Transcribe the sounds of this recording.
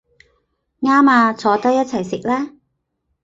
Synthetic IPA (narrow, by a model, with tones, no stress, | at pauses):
ŋaː˥maː˧t͡sʰɔː˨˧t̪ɐ˥jɐ˥t̚t͡sʰɐ˨˩jsɪ˨k̚lɛː˥